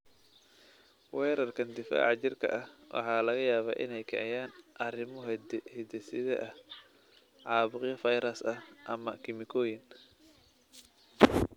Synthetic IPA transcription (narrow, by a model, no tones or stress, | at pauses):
wɛːɾɐrkʰɐnd̪ɪfa̰ːʕɑt͡ʃɪrkʰɐ̰ʔɐhwʔɑ̰ħɑːlɐɣɐjaːβaːʔɪ̰nɛjkʰɛ̰ʕjaːnʔɐrɪmɔɦd̪hɛd̪ɛsɪðɛ̰ʔɐh | ʕɑːβʊqjɐfɐjɾɐsɐhʔɐmɐkʰɪmɪkʰɔːjɪn